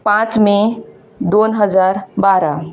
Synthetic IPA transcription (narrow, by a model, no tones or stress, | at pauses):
pãt͡ʃmẽ | d̪oːnɦəd͡ʒaːɾbaɾa